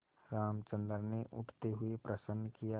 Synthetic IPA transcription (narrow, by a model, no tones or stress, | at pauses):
ɾaːmt͡ʃə̃nd̪əɾneʔʊ̰ʈʰt̪eɦʊepɾəsənːkija